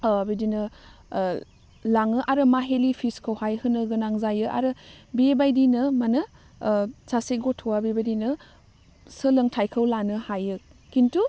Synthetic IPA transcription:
bidinɯ | laŋɯʔaɾɯmaɦelipʰiskʰɯwhajhɯnɯɡɯnaŋzajɯʔa̰ɾɯbebajdinɯmanɯ | saseɡotʰowabebajdinɯ | sɯlɯŋtʰajkʰɯwlanɯhajɯkintu

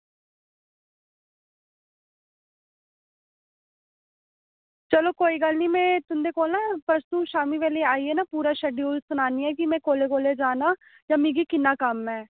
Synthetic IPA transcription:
t͡ʃəloːkoːiːɡəlniːmɛ̃ːt̪ʊnd̪eːkoːlnaːpəɾst̪ũːʃaːmiːʋeːleːaːiːɛːnaːpuːɾaːʃɛːɖioːlsʊnaːniːɛːkɪmɛ̃ːkoːleːkoːled͡ʒaːnaː | jãːmĩːɡiːkɪnːaːkəmːɛ̃ː

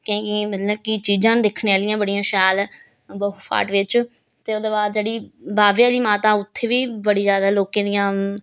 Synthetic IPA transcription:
kẽːkɪmət̪ləbkɪt͡ʃiːzãːnd̪ekʰɽeːaːlɪjãːbəɽijãːʃaːl | bəɦpʰa̰ːʈʋɪt͡ʃ | t̪eːoːd̪eːbaːd̪d͡ʒeːɽiːbaːʋjaːliːmaːt̪ãːʊt̪ʰːeːʋiːbəɽiːzjaːd̪aːloːkẽːd̪ijãː

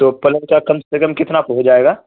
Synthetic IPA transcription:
t̪oːpɐlə̃nkakɐ̃msekə̃mkɪt̪napoɦod͡ʒaːeːɡaː

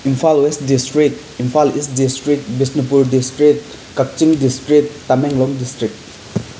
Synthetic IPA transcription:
impʰalwestdistɾikt | impʰalist̚distɾikt̚bisnipuɾdistɾit̚ | kak̚t͡ʃiŋdistɾiːameŋlɔŋdistɾik̚t̚

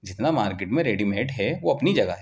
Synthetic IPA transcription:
d͡ʒɪt̪namaːɾkɪʈmẽɾeːɖimẽːʈɦɛʋoɐpnid͡ʒɐɡaɦɛ

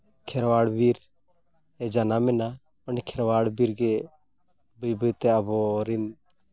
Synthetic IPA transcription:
kʰɛɾwaɽbiɾ | ɛd͡ʒanamɛna | ɔnikʰɛɾwaɽbiɾɡɛ | bəjbəjt̪ɛabɔɾin

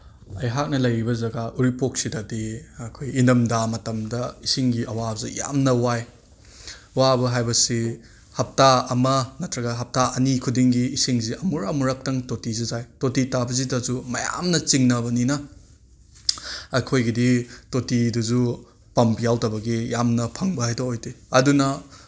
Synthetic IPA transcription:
ɐjɦak̚nɐlɐjɾibɐzɐɡaʔuɾipok̚sidadiɐkʰojinɐmdamɐtɐmdɐisiŋɡiʔɐwabɐzija̰mnɐwaj | wabɐɦajbɐsi | hɐp̚taɐmɐnɐtʰɾɐɡɐɦɐp̚taʔɐnikʰudiŋɡiːsiŋziʔɐmuɾɐmuɾɐk̚tɐŋtotizɐzajtotitabɐzitɐzumɐja̰mnɐt͡ʃiŋnɐbɐninɐ | ɐkʰojɡiditotidɐzu | pɐmpjawtɐbɐɡijamnɐpʰɐŋbɐhajtoojtiɐdunɐ

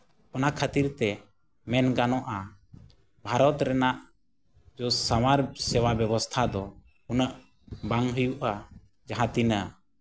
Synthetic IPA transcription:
ɔnakʰat̪iɾt̪ɛ | mɛnɡanɔʔa | bʱaɾɔt̪ɾɛnaʔ | d͡ʒɔsawaɾsɛwabjɛbɔst̪ʰad̪ɔ | unəʔ | baŋɦujuʔa | d͡ʒaɦãt̪inə

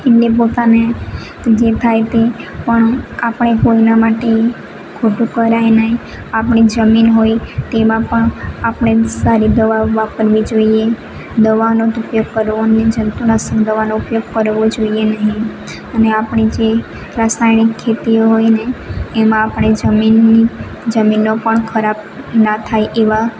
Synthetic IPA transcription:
eʈlep̬ot̪ane | d͡ʒet̪ʰajt̪epəɳapɳ̃ekoinamaʈe | kʰoʈũkəɾajnəɦĩ | apɳ̃id͡ʒəminɦoit̪emãpəɳapɳ̃esaɾid̪əʋaʋapəɾʋid͡ʒoie | d̪əʋanot̪ʊpjoɡ̚kəɾʋoned͡ʒənt̪unasəkd̪əʋanoupjoɡ̚kəɾʋod͡ʒoienəɦĩ | əneapɳ̃id͡ʒe | ɾasnajnikʰːet̪ioɦojneːmãːpɳ̃ed͡ʒəminːi | d͡ʒəminːopəɳkʰəɾab | nat̪ʰajʔeʋa

